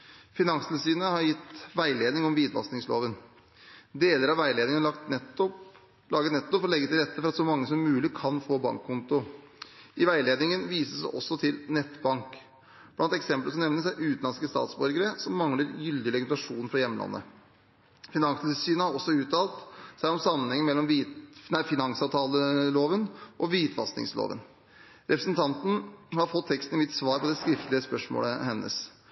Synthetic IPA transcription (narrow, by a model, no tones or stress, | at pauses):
fɪnɑŋst̪ɪlsyːnəhɑɾjɪt̪ːʋæɪleːd̪nɪŋɔmʋiːd̪ʋɑ̰snɪŋslo̰ːʋən | d̪eːləɾɑʋæɪleːd̪ɪŋnlɑkt̪nɛt̪ːʊp | lɑːɡət̪nɛt̪ːʊfɔɾlɛɡːət̪ʰɪlɾɛt̪ːəfɔɾɑt̪sɔmɑŋːəsɔmːʉːlɪkʰɑnfoːbɑ̰ŋkʰːʊnt̪ʊ | ʔɪʋæɪleːd̪nɪŋənʋiːsəsɛ̰ʔɔsːɔt̪ʰɪlnɛt̪ːbɑŋk | b̥lɑnt̪ɛksɛmpləsɔmnɛʋnəsæɪʔʉːt̪nɑnskəst̪ɑ̰ːt̪sbɔɾɡəɾəsɔmːɑŋləɾjʏld̪ɪlɛɡmnt̪ɑʂuːnfɾɑjɛmːəlɑ̰nːə̰ | fɪnɑŋssyːnəhɑɾɔsːɔʉːt̪ːɑːlt̪sæɪɔmsɑmːənhɛŋːəmɛlːɔmʋiːt̪næɪfɪnɑŋsɑːʋt̪ʰɑːləloːʋənʔɔʋiːt̪ʰfɑ̰st̪nɪ̰ŋslo̰ːʋə̰n | ɾʔɛpɾəsənt̪ʰɑnt̪n̩hɑɾfɔt̪ʰːɛkst̪n̩mɪt̪ːsʋɑːɾpʰɔd̪ɛskɾɪft̪əlɪəspœʂmo̰ːləhɛnːə̰s